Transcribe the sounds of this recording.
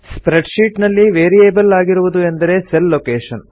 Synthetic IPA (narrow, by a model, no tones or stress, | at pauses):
spɾeɖʂiːʈnɐlːiʋeːɾijeːbɐlaːɡiɾuʋud̪ue̞nd̪ɐɾe̞selːoːkeːʂɐn